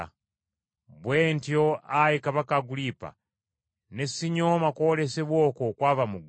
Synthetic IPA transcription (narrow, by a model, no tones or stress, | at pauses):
bwentjoajikaβakaɡulipa̰ | nesiɲomakoleseβwokokwaːβamuɡ